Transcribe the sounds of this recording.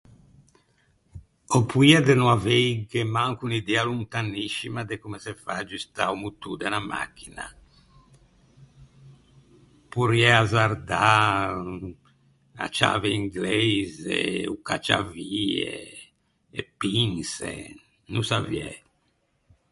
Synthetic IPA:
opʰuiad̪ɛnuavejɡemaŋkunid̪ɛalunt̪anːiʃimad̪ekumɛsɛfad͡ʒist̪aumut̪ud̪ɛnama̰kːina̰ | puɾiɛazaɾd̪a | a̰t͡ʃa̰vɛiŋɡlɛɛjzɛ̰uka̰t͡ʃa̰viɛ̰ | ɛpinsɛ̰ | nusaviɛ̰

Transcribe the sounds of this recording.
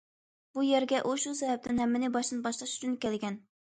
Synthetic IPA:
b̥ujæɾɡʲɛʔuʃusɛɦɛp̚t̪ʰɪnɦɛmːɪnɪbɑʃt̪ɨnbɑʃlˠɑʃu̥t͡ʃʰynkʲɛlɡʲɛn

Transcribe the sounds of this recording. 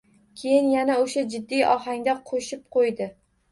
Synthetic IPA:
kʲʰe̞jɪnjanaoʃad͡ʒɪd̪ːijʔɒɦaŋd̪aqʰoʃɪp̚qʰojd̪ɪ

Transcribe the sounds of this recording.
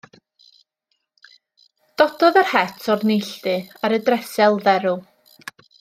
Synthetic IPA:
d̥ɔdɔðarhɛtʰɔrnɪjɬtɨaɾədrɛsɛlˠðɛɾʊ

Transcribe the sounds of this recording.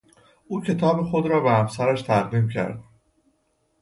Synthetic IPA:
ʔuːcʰe̞t̪ʰɒːbexo̞d̪ɾɒːbehæmsæɾæʃt̪ʰæʁd̪iːmcʰæ̰ɾd̪̥̚

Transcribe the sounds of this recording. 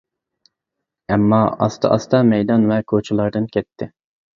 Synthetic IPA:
ɛmːɑɑ̰st̪ʰɑ̰ʔɑst̪ɑmɛjd̪ɑnvɛkʰot͡ʃʰulˠɑɾd̪ɨnkʲʰɛt̪ʰːɪ

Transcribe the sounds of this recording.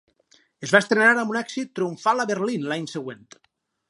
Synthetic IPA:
ezβaest̪ɾenaɾambunɛksit̪ːɾiuɱfalaβeɾlinlaɲseɣwent̪

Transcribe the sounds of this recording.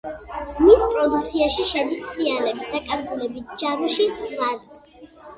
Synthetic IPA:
d̪z̥mispʼɾɔd̪uk̚t̪sʰiaʃiʃɛd̪isːianɛbit̪̚d̪akʼaɾɡulɛbit̪̚ʰd͡ʒamuʃisχvaɾ

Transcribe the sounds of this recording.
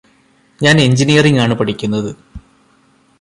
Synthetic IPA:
ɲaːne̞ɲd͡ʑinijɐriŋaːɳɨpɐʈʰikʲːunːɐðɨ

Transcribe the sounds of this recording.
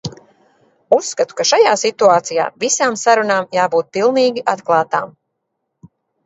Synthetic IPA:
usːkat̪u̥kaʃajaːsit̪uaːt̪sija̰ːvisaːmsaɾunaːmjaːbuːt̪̚pilˠniːɡʲiʔat̪klˠaːt̪aːm

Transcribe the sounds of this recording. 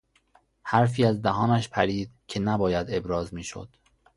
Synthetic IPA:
hæɾfiːæzd̪æɦɒːnæʃpʰæɾiːd̪̥̚cʰe̞næbɒːjæd̪e̞bɾɒːzmiːʃo̰d̪̥

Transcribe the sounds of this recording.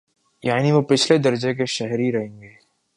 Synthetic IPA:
jaːniʋopɪt͡ʃʰled̪ɐɾd͡ʒekeʃɛɦɾiɾɐɦẽːŋɡeː

